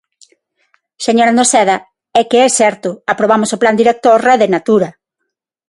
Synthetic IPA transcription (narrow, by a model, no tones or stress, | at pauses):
seɲoɾand̪osɛða | ɛkɪɛsɛɾt̪ʊapɾoβamosopland̪iɾek̚t̪orɛðɪnat̪uɾɐ